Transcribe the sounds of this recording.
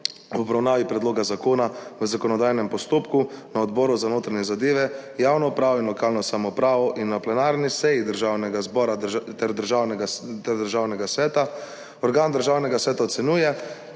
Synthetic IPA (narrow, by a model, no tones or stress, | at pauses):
wɔbɾawnaːʋipɾɛd̪loːɡazakoːnaʋəzakɔnɔd̪aːjnɛmpɔst̪oːpkunaɔd̪bɔːɾuzanoːt̪ɾaɲɛzad̪eːʋɛjaːwnɔpɾaːʋɔinlɔkaːlnɔsamɔpɾaːʋɔʔinːaplɛnaːɾnisɛjid̪əɾʒawnɛɡazbɔːɾat̪ɛɾd̪əɾʒawnɛɡt̪ɛɾd̪əɾʒaːwnɛɡasʋɛːt̪a | ɔɾɡaːnd̪əɾʒaːwnɛɡasʋɛːt̪aɔt̪sɛnuːjɛ